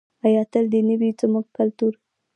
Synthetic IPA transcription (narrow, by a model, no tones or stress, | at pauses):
ajɑt̪əld̪ənəwizamuɡ̚kalt̪uɾ